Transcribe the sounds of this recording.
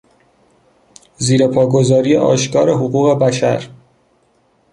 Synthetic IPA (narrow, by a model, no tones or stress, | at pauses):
ziːɾe̞pʰɒːɡo̞zɒːɾijeʔɒ̰ːʃkʰɒːɾe̞ɦoɣuːɣe̞bæʃæ̰ɾ